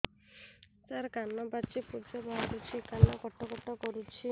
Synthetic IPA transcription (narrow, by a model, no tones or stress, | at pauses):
t͡ʃaɾkanɔbat͡ʃipud͡ʒɔbɔɦaɾut͡ʃʰikanɔkɔʈɔkɔʈɔkɔɾut͡ʃʰi